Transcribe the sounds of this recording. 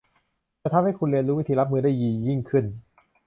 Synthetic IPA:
ɛ˧t̪ʰa˧mha˥˩jkʰu˧nli˧ənlɾuː˦˥wt̪ʰiː˧ɾa˦˥p̚mɯː˧daː˥˩jːiː˧˩˨ji˥˩ŋkʰɯ˥˩n

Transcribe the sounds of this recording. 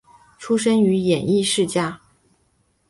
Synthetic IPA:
ʈ͡ʂʰu˥ʂə˥ŋy˧˥jɛ˨˩ni˥˧ʂɻ̩˥˧t͡ɕja˥˩

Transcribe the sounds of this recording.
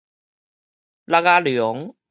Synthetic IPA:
la˧˥ɣa˦˧ly˨ɔ˨˦ŋ

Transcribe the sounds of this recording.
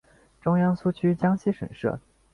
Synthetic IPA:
ʈ͡ʂʊ˥ŋjɑ˥ŋsu˥˩t͡ɕʰy˥t͡ɕjɑ˥ŋɕi˥ʂə̰˨˩nʂɤ̰˥˩

